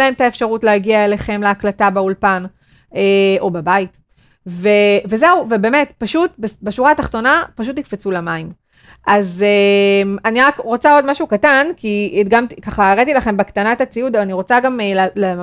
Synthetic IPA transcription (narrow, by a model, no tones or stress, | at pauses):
aemtaefʃaʁutleaɡiae̞le̞χe̞mleaklatabeulpan | eo̞babait | veve̞ze̞uvebe̞me̞tpaʃutbebeʃuʁaːtaχt̪o̞napaʃ̬utnikfet͡sulamaim | ʔazemaniʁakʁo̞t͡sao̞dmaʃukatankiɡamtkaχaeʁat̪ilaχe̞mbekt̪anatat͡siud̪avaniʁo̞t͡saɡamlle